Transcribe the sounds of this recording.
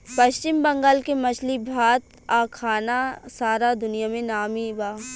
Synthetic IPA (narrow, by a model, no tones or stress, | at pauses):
pɐʃt͡ʃɪmbɐ̃ŋɡaːlkemɐt͡ʃʰlibʱaːt̪ | aːkʰaːnasaːɾad̪ʊnijamẽnaːmibaː